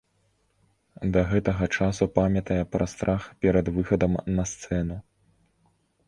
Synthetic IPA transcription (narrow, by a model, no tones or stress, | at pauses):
d̪ɐɣɛt̪ɐɣɐt͡ʂasupamʲɐt̪ɐjɛpɾɐst̪ɾʔaxpʲɛɾɐd̪vɨxɐd̪ɐmnɐst̪sɛnu